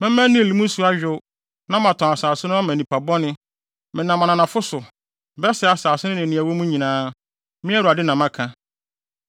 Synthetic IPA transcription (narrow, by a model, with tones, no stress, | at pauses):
mɛ̃˦mæ̃˦nĩ˦e˨li˨mũ˦su˨˦a˦ɥᶣʊ˦ | nã˦mã˨tʰɔ̃˨a˨saː˨sʊ˦nʊ̃˦a˦mæ̃˨nĩ˨pʰa˨bɔ˦nɪ̃˦ | mɪ̃˨nã˨mã˨nã˨nã˨fʊ˦sʊ˨ | bɛ˦sɛ˨a˨saː˨sʊ˦nʊ̃˦nɪ̃˨nɪ̃˨æ˨wo˦mũ˦ɲĩ˨nãː˦ | mɪ̃˦ɛ˦ɾu˨a˨dɪ˦nã˨mã˦kʰã˨